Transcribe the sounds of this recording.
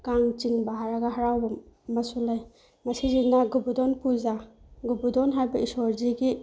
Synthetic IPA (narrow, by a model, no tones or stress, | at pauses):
kaŋt͡ʃiŋbaɦaɾaɡaɦaɾawbɐmɐsulaj | mɐsizinaɡubudɔnpuzaɡubudɔnɦajbaisɔɾziɡi